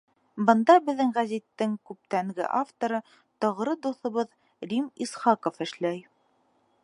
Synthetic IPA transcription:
bɤ̆nd̪ɑbɘ̆ðːɘŋʁæzit̪ːɘŋkʉp̚t̪æŋɡɘ̰ʔaft̪oɾɤ | t̪ɒʁɾɤd̪uθŏβɤð | ɾʲimisχɑkofɘ̆ʃlæj

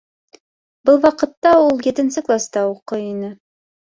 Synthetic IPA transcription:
bɤlˠwɑqɤ̆t̪ːɑulˠjɘ̆t̪ɘ̆nsɘklˠast̪ɑuqɤjinɘ

